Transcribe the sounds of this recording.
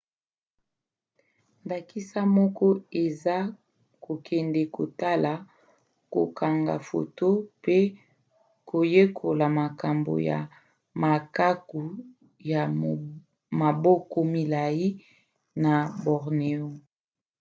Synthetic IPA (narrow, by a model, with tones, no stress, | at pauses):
nba˨ki˦sa˦mɔ˦kɔ˦e˨za˦ | ko˨kʰɛ˨ndɛ˨ko˨ta˦la˨ | ko̰˨kʰa˨ŋɡa̰˨fo̰˨to˦pe˦ | ko˨je˦kʰo˨la˨ma˨ka˨mbo̰˨ja̰˨ | ma˨ka˦ku˨ | ja˨ | ma˨bɔ˦kɔ˦mi˨la˨ji˦ | na˨bɔ˨ʁne˨o˦